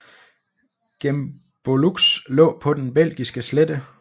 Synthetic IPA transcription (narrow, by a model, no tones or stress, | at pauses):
ɡ̥em | b̥oluɡ̥slɔ̰̽ːpʰɒ̽d̥enb̥el̰ɡ̥isɡ̥əsled̥ə